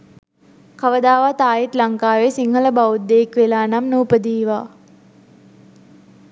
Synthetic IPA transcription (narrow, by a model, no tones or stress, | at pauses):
kaʋəd̪aːʋat̪aːjit̪laŋkaːʋesiŋɦələbaud̪ːeːkʋelaːnamnuːpəd̪iːʋaː